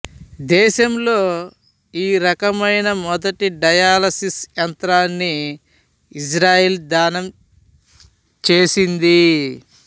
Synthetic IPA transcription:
d̪ɛːʃɐmlo̞ː | iːɾɐkɐmɐjnɐmɔd̪ɐʈiɖɐjaːlɐsisjɐnt̪ɾaːnːiː | s̬ɾaːjeːld̪aːnɐm | t͡ʃeːsind̪i

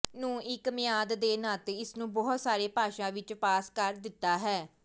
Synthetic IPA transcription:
nũːɪkmɪjaːd̪d̪eːnaːt̪eːɪsnũːbɔːɦt̪saːɾeːpaːʃãːʋɪt͡ʃpaːskəɾd̪ɪt̪ːaːɦɛː

